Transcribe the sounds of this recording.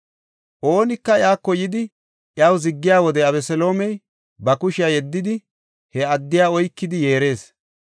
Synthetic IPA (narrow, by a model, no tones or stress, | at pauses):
ʔo̞ːnɪkːɐɪjaːkːɔjɪd̪ɪ | ʔjawzɪɡːɪjaːwɔd̪ɛɐbɛsɛlo̞ːmɛj | bɐkʊʃɪjajɛd̪ːɪd̪ɪ | hɛɐd̪ːɪjaːɔjkːɪd̪ɪje̞ːɾe̞ːs